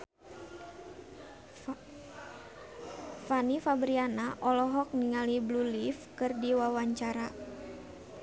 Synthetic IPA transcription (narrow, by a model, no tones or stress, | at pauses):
fanifabɾianaʔɔlɔɦɔk̚niŋaliblulifkɨrdiwawaɲt͡ʃaɾa